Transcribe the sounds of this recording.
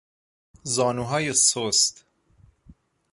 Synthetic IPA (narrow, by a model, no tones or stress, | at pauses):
zɒːnuːɦɒːjesost̪